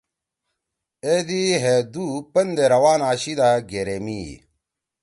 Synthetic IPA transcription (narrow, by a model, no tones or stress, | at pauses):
ed̪iɦed̪upɐnd̪eɾɐwaːnaːɕid̪aɡeɾemḭ